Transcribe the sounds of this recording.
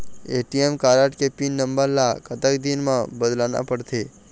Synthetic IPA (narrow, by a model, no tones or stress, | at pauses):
eːʈijemkaːɾəʈkepinːə̃mbəɾlakət̪əkd̪inmãbəd̪laːna̰pəɽt̪ʰeː